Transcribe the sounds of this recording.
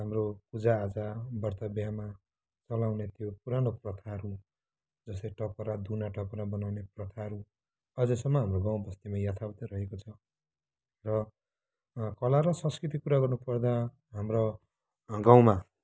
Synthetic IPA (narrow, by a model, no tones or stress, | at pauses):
ɦamropud͡zaːd͡zabʌrt̪ʌbjama | t͡sʌlawnet̪jopuɾanoprʌt̪ʰaɦɾu | d͡zʌst̪eʈʌpʌɾad̪unaʈʌpʌɾabʌnawneprʌt̪ʰaʌɾu | ʌd͡zesʌmːʌɦamroɡãw̃bʌst̪imajat̪ʰabʌt̪ʌɾʌɦekot͡sʰʌ | rʌ | kʌlaɾʌsʌ̃nskrit̪ikkuɾaɡʌrnupʌrd̪a | ɦamro | ɡaw̃ma